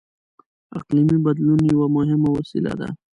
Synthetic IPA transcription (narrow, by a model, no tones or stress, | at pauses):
a̰qlimibɐd̪lunjawamʊɦɪmawasḭla̰d̪a̰